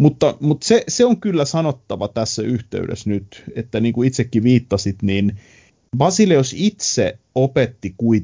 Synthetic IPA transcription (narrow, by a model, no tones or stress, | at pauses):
mut̪ːɑmut̪seseoŋkylːæsɑnot̪ːɑʋɑt̪æsːæyht̪ḛyɾḛsnyt̪et̪ːæniːŋkuit̪sekːiʋiːt̪ːɑsit̪niːn | ʋɑsileosit̪se | opet̪ːikui